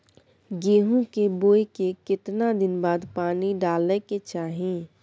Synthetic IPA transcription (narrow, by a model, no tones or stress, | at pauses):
ɡeːɦũkeboːekekɪt̪nad̪ɪnbaːd̪paːniɖaːleket͡ʃaːɦĩ